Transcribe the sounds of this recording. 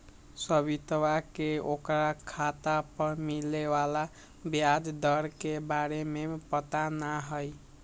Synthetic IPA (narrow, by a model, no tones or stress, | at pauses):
səβit̪wakeokɾakʰat̪apəɾmilewala | bjad͡ʒd̪əɾkebaɾemepət̪anaɦəj